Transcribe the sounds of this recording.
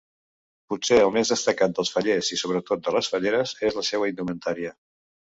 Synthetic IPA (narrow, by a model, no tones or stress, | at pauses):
puseəlˠmezðəst̪əkat̪̚d̪əlˠsfəʎezisoβ̞ɾət̪ot̪̚d̪ələsfəʎeɾəzezləsewəind̪umənt̪aɾiə